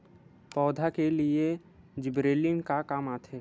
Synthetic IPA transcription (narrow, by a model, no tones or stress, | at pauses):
pɔːd̪ʱakelie | d͡ʒɪbɾeːliŋkakaːmaːt̪ʰe